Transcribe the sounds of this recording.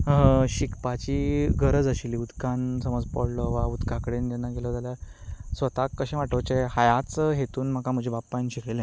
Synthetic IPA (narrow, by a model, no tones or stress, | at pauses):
ɦəɕikpat͡ɕiːɡʱəɾəd͡zəɕiliud̪kansəməd͡zpɔɽlɔʋaud̪kʰakəɽent̪anːaɡelɔd͡zaljasʋət̪akːəɕẽʋaʈəwt͡ɕehajat͡sɦet̪uːnm̤akam̤əd͡ʑʱibapːajnɕikʰlelẽ